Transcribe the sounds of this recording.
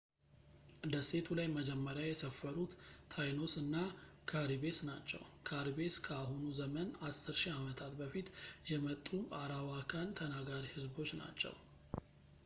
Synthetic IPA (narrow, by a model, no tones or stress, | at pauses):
ɨd̪əse̞t̪ʰulajməd͡ʒɛmːəɾjajɛsəfːəɾut̪ːʰajno̞sɨnːa | kʰaɾibe̞snat͡ʃːɛ̰wkʰaɾibe̞skʰəaɦunuzəmənasːɨɾʃiamət̪ʰat̪bəfit̪jɛmət̪ʼːuaɾawakʰant̪ʰənaɡaɾihɨzbo̞t͡ʃːna̰t͡ʃːɛ̰w